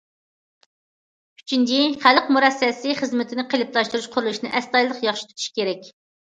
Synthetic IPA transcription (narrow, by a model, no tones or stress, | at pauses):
y̥t͡ʃʰynd̪iχælˠqmuɾɛsːɛsɪχəzmɪt̪ʰɪnɪqʰəlɪp̚t̪ʰɑʃt̪uɾuʃqʰʊɾulˠuʃnɨʔɛst̪ɑjlˠəqjɑχʃi̥t̪ʰut̪ʰu̥ʃkʲeɾɛkʲ